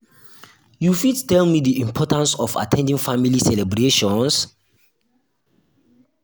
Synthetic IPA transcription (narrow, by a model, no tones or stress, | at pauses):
jufidtɛlmidiĩmpʰɔtãnsɔfa̰tʰɛ̃ndĩŋfamilisɛlɛbɹeʃɔ̃ns